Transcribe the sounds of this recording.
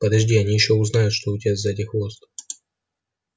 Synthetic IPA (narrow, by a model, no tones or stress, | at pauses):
pəd̪ɐʐdʲiɐnʲijɪɕːoʊznajʊt̪ʂt̪oʊtʲɪazɐɛtʲɪxvost̪